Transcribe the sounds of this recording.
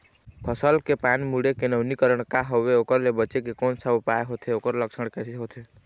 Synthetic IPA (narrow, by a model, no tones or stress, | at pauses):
pʰəsəlkepanimuɽekenəʊnikəɾəɳ̃kaɦoʋeokəɾlebət͡ʃekekonsaupaeɦot̪ʰeoːkəɾləksəɽ̃kɛseɦot̪ʰe